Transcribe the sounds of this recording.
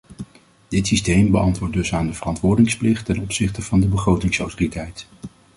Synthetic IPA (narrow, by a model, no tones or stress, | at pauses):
d̥ɪtsistejmbəʔɑntʋʊːɹt̚dɵsaːndəvərɑntʋʊːɹdɪŋsplɪχtɛnɔpsɪχtəvɑndəbəχrowtɪŋsɔwtoritɛjt